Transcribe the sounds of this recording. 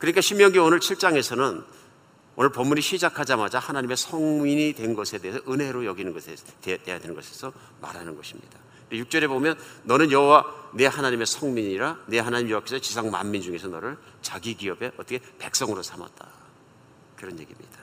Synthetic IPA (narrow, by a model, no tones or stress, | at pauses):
kɯɾɲik͈aɕʰimjʌŋɡoonɯɭt͡ɕʰiɭt͡ɕ͈aŋe̞sʰʌnɯn | o̰nɯɭpʌmːuɲiɕʰid͡ʑakʰad͡ʑamad͡ʑahanaɲime̞sʰʌŋmiɲidwe̞nɡʌsʰe̞de̞ɦesʰʌʔɯnɦe̞ɾojʌɡinɯnɡʌsʰete̞jadwe̞nɯnŋɡʌsʰe̞̥sʰʌ | ma̰ɾanɯnɡʌɕʰimɲḭd̥a | ndejuk̚t͡ɕ͈ʌɾe̞bomjʌnːʌnɯnjʌɦowane̞hanaɲime̞sʰʌŋmiɲiɾane̞ɦanaɲimjʌwak͈esʰʌt͡ɕisʰaŋma̰mːind͡ʑuŋe̞sʰʌnʌɾɯɭt͡ɕaɡiɡiʌbe̞ʌt͈ʌkʰepe̞k̚s͈ʌŋɯɾosʰama̰t̚t͈a̰ | kɯɾʌnjeɡimɲid̥a